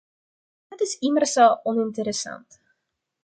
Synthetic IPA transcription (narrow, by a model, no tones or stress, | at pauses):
dətɪsimərsəʔɔnɪntəɾəsɐ̰nt